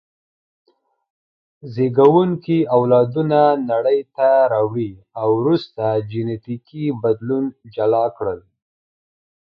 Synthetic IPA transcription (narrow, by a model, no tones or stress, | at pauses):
zeɡawuŋkiawlɑd̪unanaɽəjt̪aɾɑwɽi | awɾust̪ad͡ʒɪnet̪ikibad̪lund͡ʒalɑkɽəl